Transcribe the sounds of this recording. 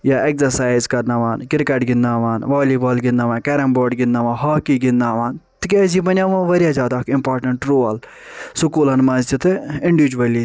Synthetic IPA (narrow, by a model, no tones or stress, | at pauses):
jaːekzɐɾsaːjzkɐɾnaːʋaːnkɪɾkeʈɡɪnːaːʋaːnʋaːliːbaːlɡɪnd̪aːʋãːnkɛɾɐmboːɾɖɡɪnːaːʋãːnɦaːkiːɡɪnːaːʋaːnt̪ikeːzibɐnʲjãʋãːʋɐɾjaːzʲjaːd̪aːkɪmpaːɾʈɐɳʈɾoːl | sʊkuːlɐnmãnzt͡ʃit̪eɪɳɖiʋid͡ʒuʋɐli